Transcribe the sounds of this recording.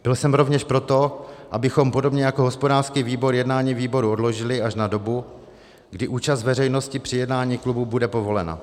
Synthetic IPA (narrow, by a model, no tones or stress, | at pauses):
bɪlsɛmɾo̞vɲɛʃpɾo̞t̪o̞ʔabɪxo̞mpo̞do̞bɲɛjakoɦospodaːr̥skiːviːbo̞ɾjɛdnaːɲiːviːbo̞ɾuo̞dlo̞ʒɪlɪaʃnado̞bu | ɡdɪʔuːt͡ʃast̪vɛrɛjno̞scɪpr̥ɪjɛdnaːɲiːklububudɛpo̞vo̞lɛna̰